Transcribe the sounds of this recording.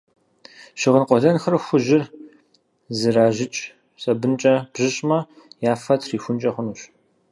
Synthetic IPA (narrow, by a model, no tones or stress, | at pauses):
ɕɪʁənqʷɔɮɐnxɐrxʷʊʒɪr | zɨɾaːʒɪt͡ʃʼ | sʼɐbɨnt͡ʃʼɐb̥ʑɪɕʼmɐ | jaːfɐtʰriːxʷʊnt͡ʃʼɐχʷʊnuːɕ